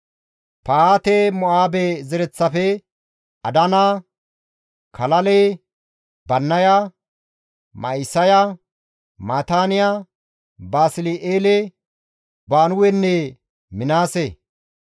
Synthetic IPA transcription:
paaːt̪eːmɔʔaːbezɛɾɛt͡sːɐfɛ | ɐd̪ɐnaː | kʰɐlɐleː | bɐnːɐja | mɐ̰ɪsɐja | maːt̪aːnɪjaː | baːsɪliʔeːle | baːnʊwɛnːe | mɪnaːse

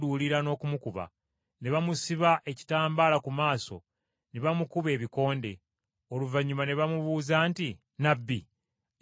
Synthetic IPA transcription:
duːliɾano̞ːkumukuβa̰ | ne̞βamusiβaʔe̞ci̥taːmbaːlakumaːso̞̰ | neβamukuβe̞ːβiko̞ːnde̞ | o̞luvaɲːumane̞βamuβuːzaːnti | nabːi

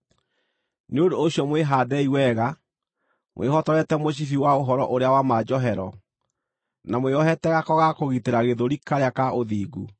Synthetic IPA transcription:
neondoːɕjɔmweɦaðɛiwɛɣa | mw̰ʔehɔtɔɾɛtɛmoɕ̬ifiwaoɦɔɾɔʔoɾeawamad͡ʒɔɦɛɾɔ | namweɔɦɛtɛɣakɔɣakoɣiteɾaɣeðoɾikaɾeakaoðiːɡṵ

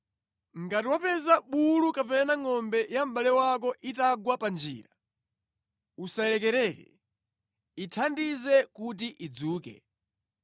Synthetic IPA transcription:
ŋɡatiwapɛzaɓulukapɛnaŋɔmbɛjam̩ɓalɛwak̬ɔʔitaɡwapand͡ʒḭːɾa | usaɛlɛkɛɾɛkɛ̰ | itʰandizɛkut̬iʔid͡zuːkɛ̰

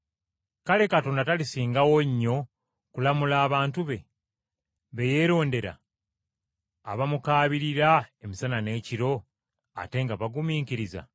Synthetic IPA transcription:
kale̞kato̞ːndatalisiːŋɡawo̞ɲːo̞ | kulamulaːβaːntuβe̞ | βe̞je̞ːɾo̞ːnde̞ɾa̰ | βamukaːβiɾiɾae̞misanane̞ːciɾo̞ | a̰te̞ŋɡaβaɡumiːkiɾiza̰

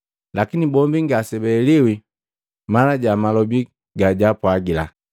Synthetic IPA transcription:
lakinibɔmbiŋɡasɛbɛliwi | malaɟamalɔbi | ɡaɟapwaɡila

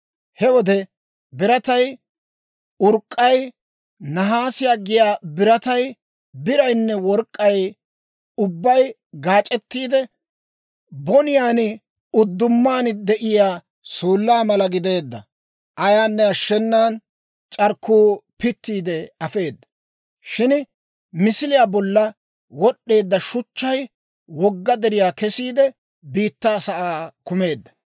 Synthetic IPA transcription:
hɛwɔd̪ɛ | bɪɾɐt̪ɐj | ʊɾkʼːɐj | nɐɦaːsɪjaːɡɪjaːbɪɾɐt̪ɐj | bɪɾɐjnːɛwɔɾkʼːɐj | ʊbːɐj | ɡaːt͡ʃʼɛt̪ːiːd̪ɛ | bɔnɪjaːnɪ | ʊd̪ːʊmːaːnɪd̪ɛʔɪjaː | suːlːaːmɐlɐɡɪd̪e̞ːd̪ːɐ | ʔɐjaːnːɛɐʃːɛnːaːn | t͡ʃʼɐɾkːuːpɪt̪ːiːd̪ɛɐfe̞ːd̪ːɐ̥ | ʃɪn | mɪsɪlɪjaːbɔlːɐ | wɔɗːe̞ːd̪ːɐʃʊt͡ʃːɐj | wɔɡːɐd̪ɛɾɪjaːkɛsiːd̪ɛ | biːt̪ːaːsɐʔaːkʊme̞ːd̪ːɐ̥

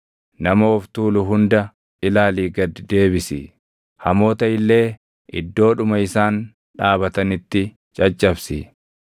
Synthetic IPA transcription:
nɐmɐɔft̪uːlʊɦʊnd̪ɐ | ʔɪlaːliːɡɐd̪d̪e̞ːbɪsɪ | hɐmo̞ːt̪ɐɪlːe̞ː | ʔɪ̰d̪ːo̞ːᶑʊmɐɪsaːn | ᶑaːbɐt̪ɐnɪt̪ːɪ | t͡ʃʼɐt͡ʃʼːɐbsɪ̰

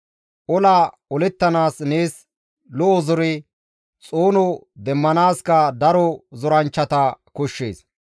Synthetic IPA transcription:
ʔɔlaː | ɔlɛt̪ːɐnaːsne̞ːs | lɔʔɔzɔɾɪ | t͡sʼoːnɔ | d̪ɛmːɐnaːskɐd̪ɐɾɔzɔɾɐnt͡ʃːɐt̪ɐkɔʃːḛːs

